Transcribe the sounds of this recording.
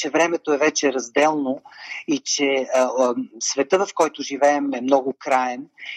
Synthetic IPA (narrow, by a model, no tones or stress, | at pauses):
t͡ʃɛvɾɛmɛt̪oɛvɛt͡ʃɛɾɐzd̪ɛlˠnoit͡ʃɛ | svɛt̪ɤvɐfkɔjt̪ʊʒivɛɛmɛmnɔɡʊkɾaɛn